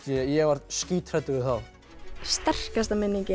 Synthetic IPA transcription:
ɛjɛvaɾ̥t̪sciːt̪r̥ɛt̪ːɪvɪðθaw | st̪ɛr̥kast̪amɪnːiɲcɪ

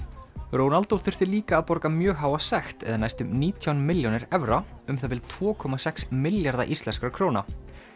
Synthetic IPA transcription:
roːwnalt̪owθʏ̥θɪɾliːkaːðpɔɾkamjœːɣɦaːwasɛxt̪ɛ̰ðanajst̪ʏmniːt̪ʰjawnmɪljonɪɾɛvɾaʏmθat̪ɪlt̪ʰv̥ɔːkʰɔmasɛksmɪljaɾða̰ʔist̪ɛnskaɾkʰɾoːwna̰

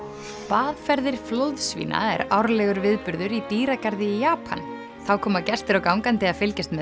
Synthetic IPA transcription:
paːðfɛɾðɪɾ̥flowðsvḭːna̰ɛ̰ɾawɾlɛɣʏɾvɪðpʏɾðʏɾit̪iːɾakaɾðɪijaːpʰa̰n | θawkʰɔːmacɛst̪ɪɾɔkawŋkant̪ɪaðfɪlcɪst̪mɛ

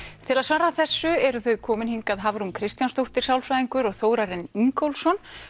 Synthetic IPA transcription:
t̪ʰɪlaðsvaːɾaθɛsːʏɛɾʏθœɥkʰɔːmɪnhiŋkaðɦavɾunkʰɾɪst̪janst̪owht̪ɪɾ̥sawlsajðiŋkʏɾɔɣθoːwɾaɾɪniŋkowlsɔn

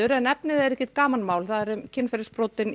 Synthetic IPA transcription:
ʏɾɛnɛpnɪðɛɾɛhcɪt̪kaːmanmaːwlθaðɛɾʏmcʰɪnfɛɾspɾɔːt̪ɪn

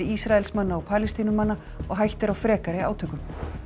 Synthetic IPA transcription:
ɪisɾaɛlsmanːaɔpʰaːlɪst̪iːnʏmanːa | ɔɣɦajht̪ɪɾawfɾɛːkaɾɪa̰ːwt̪ʰʏkʏm

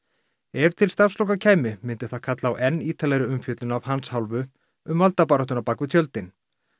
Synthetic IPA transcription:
ɛvt̪ʰɪlst̪afslɔwkacʰaːjmɪmɪnt̪ɪθaðkʰat̪lawʔɛnːiːt̪ʰalɛɣɾɪʏmfjœːt̪lʏnavhanshawlvʏ | ʏmvalt̪apaːɾɔht̪ʏnapakvɪt̪ʰjœlt̪ɪn

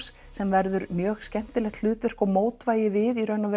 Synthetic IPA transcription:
s | sɛmvɛɾðʏɾmjœːxscɛm̥t̪ɪlɛxt̪lʏːt̪vɪr̥kɔɣmoːwt̪vaːjɪvɪðiɾœnːavɛ

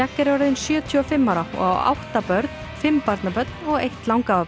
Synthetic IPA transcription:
akːɛɾawɾaðɪnsjœːt̪ʰyɔfɪmːaɾaɔ̰wa̰wht̪apœɾt̪n̥fɪmːpaɾt̪napœt̪nɔɣejht̪lawŋka

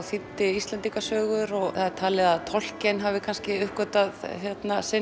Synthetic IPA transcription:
θit̪ːɪist̪lɛnt̪iŋkasœːɣʏɾɔɣθaðɪɾt̪ʰaːlɛðaðt̪ʰɔl̥cɛnɦavɪkʰanscɪʏhkɔt̪aðçjɛt̪nasɪ

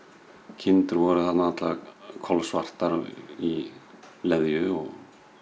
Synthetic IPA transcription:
cʰɪnt̪ʏɾvɔɾʏθat̪nanat̪lavakʰɔlvsvar̥t̪aɾi | lɛðjʏɔɣ

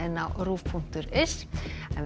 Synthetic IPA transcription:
ɪnːawruːfpʰuŋ̥t̪ʏɾɪsɛnv

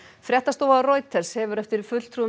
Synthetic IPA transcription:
fɾjɛht̪ast̪oːwaroːjt̪ɛɾ̥shɛvʏɾɛft̪ɪɾfʏt̪l̥t̪ʰɾu

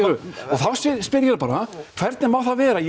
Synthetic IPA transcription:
ɾʏɔɣθawsɪspɪɾjɛɾapaːɾakʰv̥ɛɾt̪nɪmawθavɛːɾaj

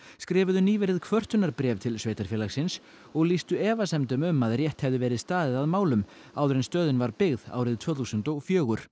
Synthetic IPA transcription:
skɾɛːvʏðʏniːvɛɾɪðkʰvœr̥t̪ʏnaɾpɾɛːvt̪ʰɪlsveːjt̪aɾfjɛːlaɣsɪns | ɔɣlist̪ʏɛːvasɛmt̪ʏmʏmːaðrjɛht̪hɛvðʏvɛːɾɪðst̪aːðɪðaðmaːwlʏm | aːwðʏɾɛjnst̪œːðɪnvaɾpɪɣða̰ːwɾɪðt̪ʰvœːθusʏnt̪ɔɣfjœːɣʏɾ̥

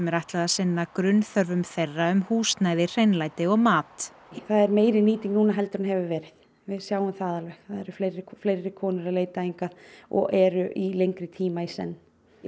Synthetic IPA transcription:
mɛɾajht̪laðasɪnːakɾʏnθœɾvʏmθejrːaʏmhuːst̪najðɪr̥ejnlaːjt̪ɪɔɣmaːt̪ | θaðɛɾmeːjɾɪniːt̪iŋknuːnaɦɛlt̪ʏɾnɦɛvʏvɛːɾɪθ | vɪðsjaːwʏmθaːðalvɛxθaðɛɾʏflejɾːɪflejɾɪkʰɔːnʏɾaleːjt̪aiŋkaðɔ̰ɣʔɛɾʏʔilejŋkɾɪt̪ʰiːmaisɛ̰nː

